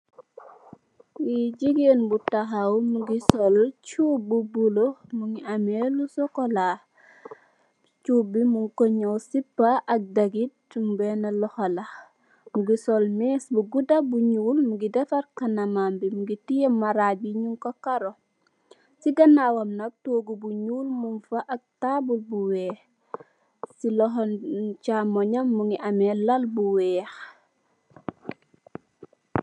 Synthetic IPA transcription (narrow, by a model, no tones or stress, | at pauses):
wiɟiɡenbutaɦawmuɡisɔlt͡ʃuːbubulomuŋiamelusɔkola | t͡ʃubimuŋkoɲowsipːaʔɐk̚daɡit̚mbɛnɐlɔxɐlɐ | muɡisɔlmɛsbuɡudabuɲuːlmuɡidɛfɐɾkɐnamambimuɡitijemaɾaːbiɲuŋkokaɾo | siɡɐnawɐmnɐk̚toːɡubuɲuːlmumfɐʔɐk̚tabulbuwɛːx | silɔɦɔncamɔɲɐmːuŋiʔɐmɛlɐlbuwɛːx